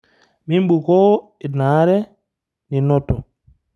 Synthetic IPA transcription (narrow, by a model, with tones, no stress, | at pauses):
mi˦mɓu˨kɔ˦ | ɛ˨na˨˦ɾɛ˦ | ni˨nɔ˦tːɔ˨